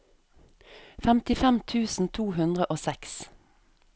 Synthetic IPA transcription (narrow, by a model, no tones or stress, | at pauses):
fɛmt̪ɪfɛmt̪ʰʉːsn̩t̪ʰuːhʉnd̪ʁəʔoːsɛks